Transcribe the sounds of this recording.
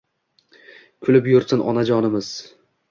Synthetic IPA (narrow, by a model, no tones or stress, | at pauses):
kʲʰʊlɪpjʊɾsɪnʔɒ̰nad͡ʒɒnɪmɪz̥